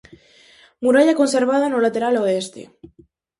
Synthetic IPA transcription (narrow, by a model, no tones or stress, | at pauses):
muɾaʎakonseɾβ̞aðanolat̪eɾaloest̪ḛ